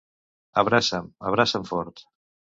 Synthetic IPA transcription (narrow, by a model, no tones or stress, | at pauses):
aβɾasamaβɾasaɱfɔɾt̪